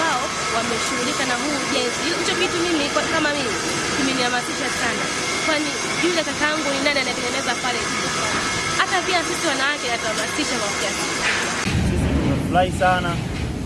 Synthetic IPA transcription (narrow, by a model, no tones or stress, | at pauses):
aɔ | wamɛʃuɣulikanaɦuːʄɛnziilit͡ʃɔkitumimikwakamamimi | kiminiamasiʃasana | kwani | ʄulakataaŋɡuninanianaɛtɛŋɡɛnɛzapalɛʄulaa | hatapiasisiwanawakɛatawamasiʃamaɔfiana | sisinunafulahisana